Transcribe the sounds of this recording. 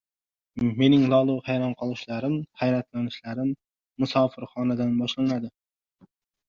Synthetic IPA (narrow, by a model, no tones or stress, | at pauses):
menɪŋlˠɒlˠuhajɾɑnqʰɑlˠɨʃlaɾɪmhæjɾat̪lanɪʃlaɾɪmː | ʊsɑːfɨɾχɒːnad̪anbɒʃlˠanad̪ɪ